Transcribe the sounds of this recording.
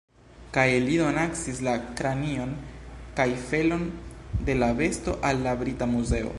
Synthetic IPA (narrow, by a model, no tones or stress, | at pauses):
kajlido̞naksislakɾanio̞nkajfe̞lo̞nde̞lave̞sto̞̰ʔalːabɾitamuze̞o̰